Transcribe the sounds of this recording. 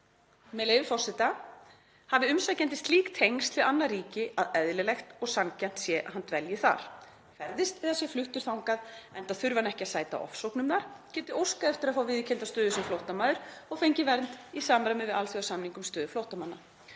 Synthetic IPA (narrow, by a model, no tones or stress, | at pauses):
mɛleːjvɪfɔrsɪt̪a | havɪʏmsacɛnt̪ɪst̪liːkt̪ʰejŋst̪ʰfɪlanːariːcɪaðɛðlɪlɛxt̪ɔɣsancɛn̥t̪sjɛʔa̰ɦant̪vɛljɪθa̰ɾ̥ | kʰvɛɾðɪst̪ɛːðasjɛflʏht̪ʏɾ̥θawŋkaðɛnt̪aθʏɾvanɛhcɪasaːjt̪a̰ʔɔ̰fsowknʏmnaɾ̥cɛːnt̪ɪowskaɛft̪ɪɾaðfaːwvɪðcʰɛnt̪ast̪œːðʏsɛmflowht̪amaðʏɾ̥ɔɣfejɲcɪvɛɾnt̪isaːmɾamɪvɪðalθjʏasamniŋkʏmst̪œːðʏflowht̪amanːa